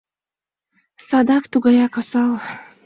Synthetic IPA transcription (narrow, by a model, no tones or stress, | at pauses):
sad̪akt̪uɡajakasal